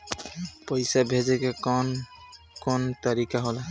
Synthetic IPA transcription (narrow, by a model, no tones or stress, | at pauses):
pəjsabʱed͡ʒekekn | kont̪ʌɾikaɦola